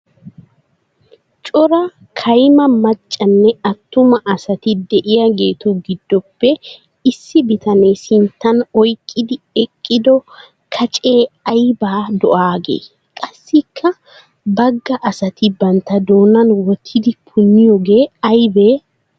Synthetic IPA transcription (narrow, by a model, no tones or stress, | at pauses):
t͡ʃʼɔɾɐ | kʰɐjmɐmɐt͡ʃʼːɐnːɛɐt̪ːʊmɐʔɐsɐt̪ɪd̪ɛʔɪjɐɡe̞ːt̪ʊɡɪd̪ːɔpːɛ | ɪsːɪbɪt̪ɐne̞ːsɪnt̪ːɐnɔjkʼːɪd̪ɪ | ɛkʼːɪd̪ɔ | kʰɐt͡ʃʼeːɐjbaːd̪ɔʔaːɡḛː | kʼɐsːɪkʰːɐ | bɐɡːɐʔɐsɐt̪ɪbɐnt̪ːɐd̪o̞ːnɐnwɔt̪ʰːɪd̪ɪpʰʊnːɪjɔɡe̞ːɐjbeː